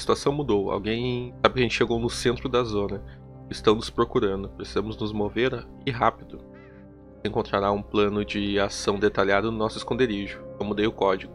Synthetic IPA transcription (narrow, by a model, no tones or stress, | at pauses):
ɐsi̥t̪uasɐ̃w̃mud̪owa̰wɡẽj̃sabɪkɐʒẽnt͡ʃɪʃeɡownʊsẽnt̪ɾʊd̪ɐzõnɐ | ɪst̪ɐ̃w̃nʊspɾokuɾɐ̃nd̪ʊpɾesizɐ̃mʊznʊzmoveɾ | ɪɦapid̪ʊ | ẽŋkõnt̪ɾaɾaũplɐ̃nʊd͡ʒɪasɐ̃w̃d̪et̪aʎad̪ʊnʊnɔsʊɪskõnd̪eɾiʒʊẽw̃mud̪ejʊkɔd͡ʒiɡʊ